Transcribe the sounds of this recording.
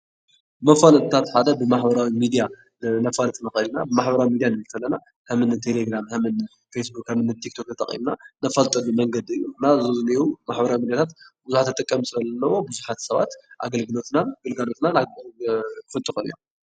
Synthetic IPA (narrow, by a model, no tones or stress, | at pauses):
mɐfalɐt̪t̪ʰat̪ħad̪ɐbɨmaħbɐɾawimid̪ija | nɐfalɐt̪ʼnɐxɐlinabɨmaħbɐɾawimid̪ijanɨɨlkʰɐlːɐna | hɨmɨnɨt̪ʰeleɡɾamhɨmɨn | fesbukhɨmɨnːɨt̪ʰikt̪ʰok̪ɐt̪ʼɐ̰χʼḭmnanɐfɐlt̪ʼɐlumɐŋɡɐd̪iɨjːunazɨzɨniwumaħbɐɾawimid̪jat̪ʰat̪bɨzuħat̪ʰːɐt̪ʼɐkʼːɐmsɨɾɐlɐnːɐwobɨzuħat̪sɐβa̰t̪ʔa̰ɡɐlɡɨlo̞t̪naɡɨlɡalo̞t̪nana | kɨfɨt̪ʼːɨxɨnɨjo̰